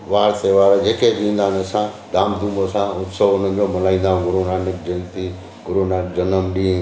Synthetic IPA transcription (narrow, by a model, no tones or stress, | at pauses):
ʋaːɾt̪eʋaːɾad͡ʒeːkeɗĩːnd̪aːnɐsã | d̪aːmd̪uːmosãʊt̪səʋʊn̤ə̃nd͡ʒomɐlaːĩːnd̪aːɦũɡʊɾonaːnɪkd͡ʒẽnt̪i | ɡʊɾonaːkd͡ʒənəmɗĩː